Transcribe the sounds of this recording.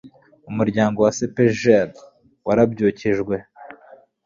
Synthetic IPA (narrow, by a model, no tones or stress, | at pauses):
umuɾɟaːŋɡo̞wasepeʒeɾ | waɾabɟuːciʒɡwe̞